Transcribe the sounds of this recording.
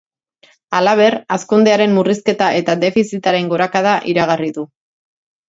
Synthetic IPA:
alaβ̞e̞raskund̪eaɾe̞mːuriske̞t̪aʔe̞t̪ad̪e̞fisit̪aɾe̞ŋɡo̞ɾakað̞aʔiɾaɣ̞ariðu

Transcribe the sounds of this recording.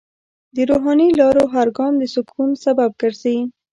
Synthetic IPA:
d̪əɾoɦɑnilɑɾoɦaɾɡɑnd̪əsʊkʰunsabab̚ɡəɾzawi

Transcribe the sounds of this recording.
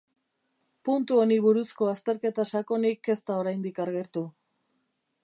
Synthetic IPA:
punt̪uo̞niβuɾusko̞ast̪e̞ɾke̞t̪asako̞nike̞st̪ao̞ɾajnd̪ikaɾɣe̞ɾt̪u

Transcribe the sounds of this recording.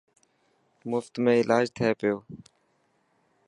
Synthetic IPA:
mʊft̪mẽːɪlʔaːd͡ʒt̪ʰeːpɪjoː

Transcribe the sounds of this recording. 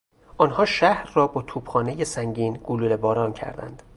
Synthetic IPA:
ʔɒːnhɒːʃæhɾːɒːbɒːt̪ʰuːbxɒːnejesæŋɟiːnɡ̥ululebɒːɾɒːncʰæ̰ɾd̪æ̰nd̪̥

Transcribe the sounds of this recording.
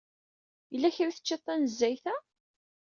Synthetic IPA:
jəlːæçɾiθə̥t͡ʃːet̪ˤːænəzːæjθæ

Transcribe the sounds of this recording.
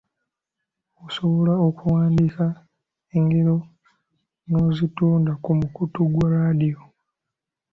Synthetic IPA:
oso̞βo̞laokuwaːndika | eŋɡeɾo̞ | no̞zituːndakumukutuɡwaɾaːdio

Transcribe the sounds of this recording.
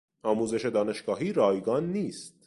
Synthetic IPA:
ɒːmuːzeʃe̞d̪ɒːne̞ʃɡ̥ɒːɦiːɾɒːjɡɒːnːiːst̪̚

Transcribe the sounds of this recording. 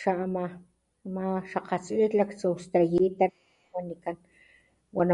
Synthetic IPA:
ʃaʔma | maʃaqat͡slit̪lakt͡sust̪ajit̪a | wanikan | wana

